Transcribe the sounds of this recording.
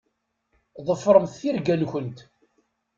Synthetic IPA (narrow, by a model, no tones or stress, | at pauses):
ðˤəfːɾˤəmθθiɾɡænçənt̪